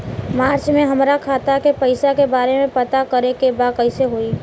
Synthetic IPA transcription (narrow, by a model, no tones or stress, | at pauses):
maːɾt͡ʃmẽɦɐmɾakʰaːt̪akepəɪsakebaːɾemẽpɐt̪akɐɾekebaːkəɪseɦoiː